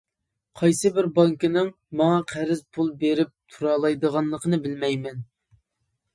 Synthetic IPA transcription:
qʰɑjsɨbɪɾbɑŋkinɪŋ | mɑŋɑqʰæɾɪzpʰulˠbeɾɪp̚t̪ʰuɾɑːlˠɑjd̪əʁɑnlˠəqʰənɨbɪlmɛjmɛn

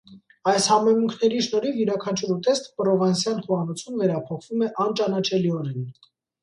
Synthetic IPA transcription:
ɑjshɑmɛmuŋkʰnɛɾiʃnɔɾivjuɾɑkʰɑnt͡ʃʰuɾut̪ɛst̪ə̥pɾɔvɑnsjɑnχuɑnɔt͡sʰumvɛɾɑpʰɔχv̥umɛʔɑnt͡ʃɑnɑt͡ʃʰɛliɔɾɛn

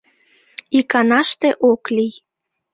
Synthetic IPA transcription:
ikɑnɑʃt̪eʔoklij

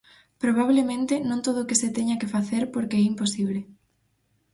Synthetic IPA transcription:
pɾoβ̞aβ̞lemẽnt̪ɪnõnt̪oðoːkeset̪eɲakefaθeɾpoɾkeɛimposiβ̞le

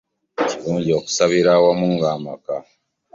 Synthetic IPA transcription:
ciɾuːɲɟio̞ku̥saβiɾaːwamuŋɡaːmaka

